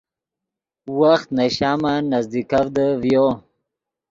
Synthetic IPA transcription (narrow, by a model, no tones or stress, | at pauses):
waxt̪naɕaːmanazd̪ikavd̪əvjoː